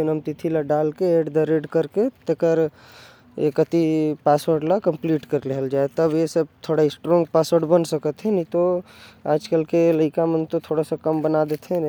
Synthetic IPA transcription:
enəmt̪ɪt̪ʰilaɖaːlkeeːɖd̪əɾeɖkəɾket̪əkəɾ | ḛkət̪ipaːsʋəɾɖlakə̃mpliːʈkəɾleɦəld͡ʒaːet̪əbjesəb̚t̪ʰoːɽaɪsʈɾɔ̃ːŋɡ̚paːsəɾɖbənsəkət̪ɦẽnĩt̪oa̰ːd͡ʒkəlkeləɪkamə̃nt̪ot̪ʰoːɽasakɐmbənad̪et̪ʰen

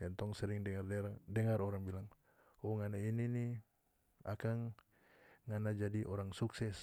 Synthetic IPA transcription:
jant̪ɔŋsɛɾiŋdɛŋardɛɾadɛŋaɾɔɾaŋbilaŋ | ɔŋanainini | a̰kaŋː | anad͡ʒadiʔɔɾaŋsuksɛs

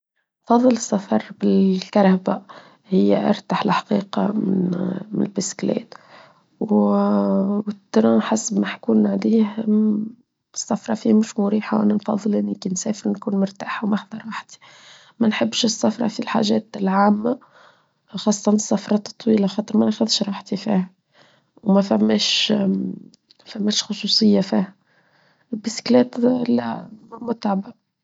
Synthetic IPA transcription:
fɑðˤːɨləsˤːɑfɑɾˤbɪlkɑɾˤhaba | hɪjːæ̰ʔɑ̰ɾˤt̪aħlħḁqiːqɑ̰mɪ̰nmnɪlbɪsklɛ̰ːt̪ | w | wɪt̪ːɾˤɑ̃ːħasbmaħkuːnʕliːh | sːɑfɾˤɑfiːmʊʃmʊɾiːħaʔæ̰nːanfɑ̰ðˤːɨlʔɪnːikinsɛːfəɾnkuːnmʊɾt̪aːħawmaħðˤɑɾˤwaħt̪i̥ | mænħɪbːʃɪsːɑfɾˤɑ̰filħa̰ːʒɛːt̪lʕaːmːa | xɑːsˤːɑt̪ɑnsːɑfɾˤɑt̪t̪ˤːwiːlaxɑːt̪ˤɨɾˤmænæxæðʃɾˤɑːħt̪ifiːhæ | wmæfæmːɛːʃ | fæmːɛːʃxʊsˤuːsˤɨjːafiːhæ | bisklɛːt̪læ̰mʊt̪ʕaba

